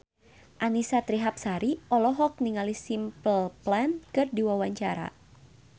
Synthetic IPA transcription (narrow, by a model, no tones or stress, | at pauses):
ʔanisat̪ɾiɦap̚saɾiʔɔlɔɦɔk̚niŋalisimpəlplɛnkɨrdiwawaɲt͡ʃaɾa̰